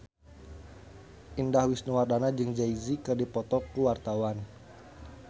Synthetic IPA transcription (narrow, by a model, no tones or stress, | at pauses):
ʔindahwisnuwardanad͡ʒɨŋd͡ʒaizikɨrdipɔt̪ɔkuwart̪awan